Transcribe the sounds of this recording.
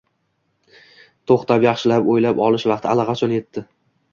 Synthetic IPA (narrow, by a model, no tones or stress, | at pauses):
t̪ʰoχt̪ʰapjɑχʃɪlapojlapɒlɪʃvɑqt̪ɪalɑqʰɑt͡ʃʰɒnje̞t̪ːɪ